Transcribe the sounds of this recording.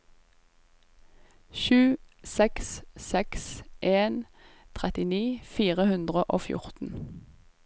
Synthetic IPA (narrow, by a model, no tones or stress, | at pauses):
ʃʉːsɛkssɛksʔeːn | t̪ʰʁɛt̪ɪniːfiːʁəhʉnd̪ʁəʔo̰ːfjʊ̰ʁt̪n̩